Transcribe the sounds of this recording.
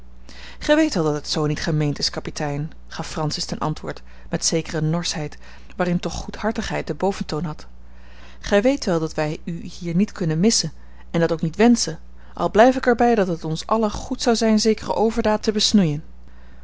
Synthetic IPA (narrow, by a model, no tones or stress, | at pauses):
χɛjʋejtʋɛlˠdɑtətsownitχəmejntɪskɑpitʰɛjn | χɑfːrɑnsɪstɛnʔɑ̰ntʋʊ̰ːɹt | mɛtsejkərənɔɹsɦɛjt | ʋaːrɪntɔχːuthɑɹtəχɦɛjt̚dəbowvəntownɦɑt | χɛjʋejtʋɛlˠdɑtʋɛjyhiːɹnitkɵnənmɪsən | ɛndɑtowknitʋɛnsən | ʔɑ̰lˠblɛjfɪkɛɹbɛjdɑtɦətɔnsɑləχutsɑwzɛjnzejkərə̰ʔowvəɹdaːtːəbəsnujən